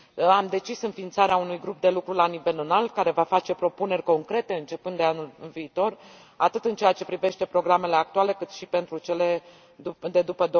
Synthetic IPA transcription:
amd̪e̞t͡ʃisɨnfint̪saɾeaunujɡɾup̚d̪e̞lukɾulanive̞lɨnalt̪̚kaɾe̞vafat͡ʃe̞pɾo̞pune̞rʲko̞ŋkɾe̞t̪e̞ɨnt͡ʃe̞pɨnd̪eanulɨlviːt̪o̞r | at̪ɨt̪ɨnt͡ʃe̞jat͡ʃe̞pɾive̞ʃt̪e̞pɾo̞ɡɾame̞le̞ak̚t̪uale̞kɨt̪ʃipe̞nt̪ɾut͡ʃe̞le̞ | ud̪e̞d̪upəd̪o

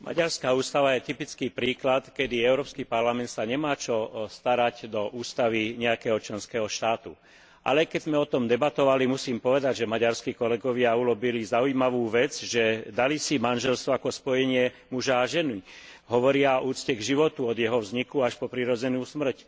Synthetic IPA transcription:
mʔa̰ɟaɾskaːuːst̪aʋajɛt̪ipit͡skiːpɾiːklat̪kɛd̪iɛʊɾɔːpskipaɾlamɛnt̪saɲɛmaːt͡ʃɔst̪aɾaɟd̪ɔʔuːst̪aʋiɲɛakɛːɦɔt͡ʃlɛnskɛːɦɔʃt̪aːt̪ṵ | ʔa̰lɛkɛzmɛɔt̪ɔmd̪ɛbat̪ɔʋalimusiːmpɔʋɛd̪aɟʒɛmaɟaɾskikɔlɛɡɔʋɪaulɔbilizaujimaʋuːʋɛd͡zʒɛd̪alisimanʒɛlst̪ʋɔakɔspɔjɛɲɪɛ | muʒaːʒɛni | ɦɔʋɔɾɪauːt͡scɛɡʒiʋɔt̪uɔd̪jɛɦɔvzɲikuaʃpɔpɾiɾɔd͡zɛnuːsmr̩c

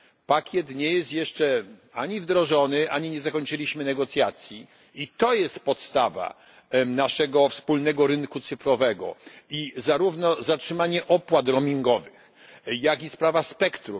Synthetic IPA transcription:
pakʲjɛt̪ɲɛjɛst̪jɛʂt͡ʂɛaɲivd̪ɾɔʐɔnɘʔaɲiɲɛzakɔɲt͡ʂɘlʲiɕmɘnɛɡɔt̪sʲjat̪sʲji | it̪ɔjɛst̪pɔt̪st̪ava̰ | naʂɛɡɔfspulnɛɡɔɾɘnkut̪sɘfɾɔvɛɡɔ̰izaɾuvnɔzatʂɘmaɲɛʔɔpwat̪ɾɔmʲiŋɡɔvɘx | jakispɾavaspɛkt̪ɾum

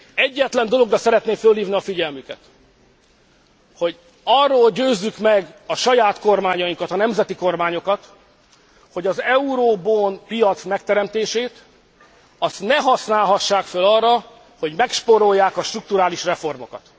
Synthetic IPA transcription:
ɛɟːɛt̪lɛnd̪o̞lo̞ɡrɒsɛɾɛt̪neːfølhiːvniɒfiɟɛlmykɛt̪ | ho̞ɟ | ɒrːoːlɟøːzːykmɛɡɒʃɒjaːt̪ko̞rmaːɲɒjiŋkɒt̪ɒnɛmzɛt̪iko̞rmaːɲo̞kɒt̪ | ho̞ɟɒzɛuɾoːboːnpijɒt̪smɛk̚t̪ɛɾɛmt̪eːʃeːt̪ | ɒst̪nɛɦɒsnaːlɦɒʃːaːkfølɒrːɒ | ho̞ɟmɛkʃpoɾo̞jːaːkɒʃt̪ruk̚t̪uɾaːliʃrɛfo̞rmo̞̰kɒ̰t̪

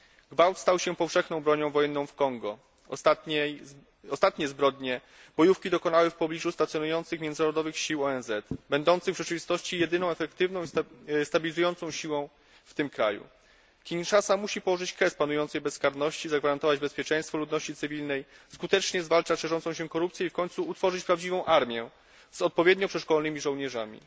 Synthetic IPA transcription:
ɡvawt̪st̪awɕɛpɔfʂɛxnɔ̃w̃bɾɔɲɔ̃w̃vɔjɛnːɔ̃w̃fkɔŋɡɔ | a | ɔst̪at̪ɲɛzbɾɔd̪ɲɛ | b̥ɔjufkʲid̪ɔkɔnawɛfpɔblʲiʐust̪at̪sʲjɔnujɔnt̪sɘxmʲjɛnd̪naɾɔd̪ɔvɘxɕiwɔɛnzɛt̪bɛnd̪ɔnt̪sɘɣvʐɛt͡ʂɘvʲist̪ɔɕt͡ɕijɛd̪ɘnɔ̃w̃ɛfɛkt̪ɘvnɔ̃w̃ist̪abʲilʲizujɔnt̪sɔ̃w̃ɕiwɔ̃w̃ | ft̪ɘmkɾa̰jṵ | kʲinʂasamuɕipɔwɔʐɘt͡ɕkɾɛspanujɔnt̪sɛjbɛskaɾnɔɕt͡ɕizaɡvaɾant̪ɔvad͡ʑbɛspʲjɛt͡ʂɛjst̪fɔlud̪nɔɕt͡ɕit̪ɘvʲilnɛj | skut̪ɛt͡ʂɲɛzvalt͡ʂaʂɛʐɔnsɔ̃w̃ɕɛkɔɾupt̪sjɛifkɔɲʲt̪suːt̪fɔʐɘt͡ɕpɾavd͡ʑivɔ̃w̃ʔaɾmʲjɛ | z̥ɔt̪̚pɔvʲjɛd̪ɲɔpʂɛʂkɔlnɘmʲiʐɔ̃wɲɛʐa̰mʲḭ

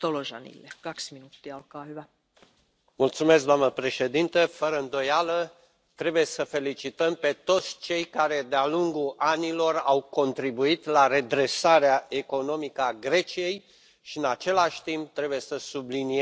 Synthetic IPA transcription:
t̪oloʒɑ̰nḭlːekɑksminut̪ːiolkɑːhyʋæ | mult̪sumes̬k̚d̪oamnəpɾe̞ʃe̞d̪int̪əfəɾəɨnd̪o̞jalə | t̪ɾe̞buje̞səfe̞lit͡ʃit̪əmpe̞t̪o̞t̪sʲt͡ʃe̞jkaɾe̞d̪ealuŋɡuʔanilo̞rawko̞nt̪ɾibuit̪laɾe̞d̪ɾe̞saɾeaʔe̞ko̞no̞mikəaɡɾe̞t͡ʃije̞j | ʃiɨnat͡ʃe̞laʃʲt̪imp̚t̪ɾe̞buje̞səsublinie

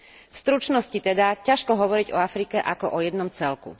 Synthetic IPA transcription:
fst̪ɾut͡ʃnɔscit̪ɛd̪acaʃkɔɦɔʋɔɾiɟɔ̰afɾikɛʔakɔʔɔjɛd̪nɔmt͡sɛlkṵ

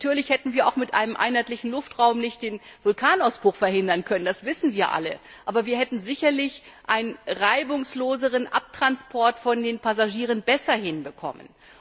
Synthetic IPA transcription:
tʰyːɐlɪçhɛtn̩viːɐʔa̰ʊxmɪtʔa̰ɪnəmʔa̰ɪnhaɪtlɪçn̩lʊftʁ̥aʊmnɪçt̚d̥eːnvʊlkʰaːnaʊsb̥ʁ̥ʊxfɛɐhɪndɐnkʰœnənd̥asv̥ɪsn̩viːɐʔa̰lə | ʔaːbɐviːɐhɛtn̩zɪçɐlɪçʔaɪnənʁaɪbʊŋsloːzəʁ̞ənʔap̚tʁ̥anspʰɔɐtfɔndeːnpazaʒiːʁ̞ənbɛsɐhɪnbəkʰɔ̰mə̰n

